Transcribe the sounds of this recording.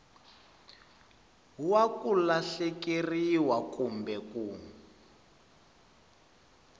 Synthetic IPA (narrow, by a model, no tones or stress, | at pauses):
wakulaɬekiriwakumbɛkuː